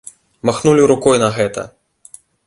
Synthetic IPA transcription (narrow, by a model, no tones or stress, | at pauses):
maxnulʲiɾukɔjnɐɣɛt̪ɐ̰